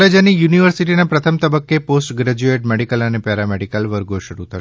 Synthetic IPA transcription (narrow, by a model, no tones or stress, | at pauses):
ed͡ʒanijuniʋəɾsiʈinapɾət̪ʰəmt̪əbəkːeposʈɡɾɛd͡ʒueʈmɛɽikələnepɛɾamɛɽikəlʋəɾɡoʃəɾut̪ʰə